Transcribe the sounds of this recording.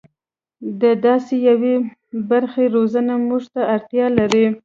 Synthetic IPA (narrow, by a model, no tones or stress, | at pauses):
d̪əd̪ɑsejawe | baɾxeɾozənamuʐt̪aaɾt̪jɑlaɾi